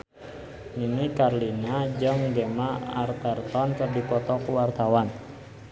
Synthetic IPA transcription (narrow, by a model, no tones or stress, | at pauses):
ninikarlinad͡ʒəŋɡɛmaart̪ɛrt̪ɔnkərdipɔt̪ɔkuwart̪awan